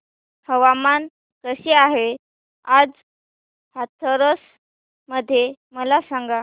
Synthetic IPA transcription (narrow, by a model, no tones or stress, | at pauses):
həʋaman | kəɕeaɦe | ad͡z | hat̪ʰəɾəs | məd̪ʱːjeməlasãŋɡa